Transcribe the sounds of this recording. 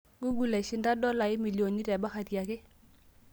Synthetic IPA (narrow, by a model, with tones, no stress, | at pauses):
ɡu˦ɡu˨lɛ˨ʃɪ˦nda˦dɔ˦la˨ɪ˦mi˨ljo˨ni˦tɛ˨ba˦xa˨ti˨a˨kɪ˦